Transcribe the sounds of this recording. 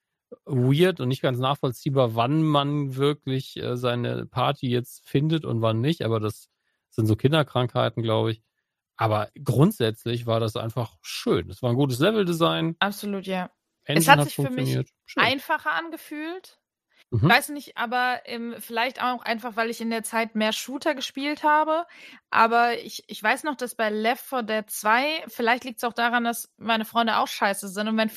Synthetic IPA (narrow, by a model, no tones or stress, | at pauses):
wiːɐtʊntnɪçt̚ɡ̥ansnaːχfɔlt͡siːbaːɐvanmanvɪɐklɪçʔɛ̰ːzaɪnə̰pʰaɐtʰijɛt͡stfɪndətʊ̰ntv̥anːɪçtʔa̰ːbɐdas | z̥ɪntz̥oːkʰɪndɐkʁ̥aŋkhaɪtn̩ɡlaʊbəɪç | ʔaːbɐɡʁʊntz̥ɛt͡slɪç̬v̥aːɐɾasʔa̰ɪnfaχʃø̰ːndasv̥aːɐnɡuːtəs̬lɛvl̩dizaɪnʔapz̥oluːtjaː | ʔɛnɛshatz̥ɪçfːɐmɪçiːɐt | ʃʔaɪnfaχɐʔanɡəfyːlt | m̩ɦm̩vaɪsnɪçtʔa̰ːbɐʔɛːmfɪlaɪçta̰ʊxʔa̰ɪnfaχv̥aɪlɪçɪndeːɐt͡saɪtmeːɐʃuːtʰɐɡəʃpiːlthaːbəʔaːbɐɪ̰çɪçv̥aɪsnɔχd̥asb̥aɪlɛfɔdɛːɐt͡sv̥aɪfɪlaɪçtliːk̚təsaʊxd̥aːʁandasmaɪnəfʁ̥ɔʏndəʔa̰ʊxʃaɪsəzɪntʊntmaɪnf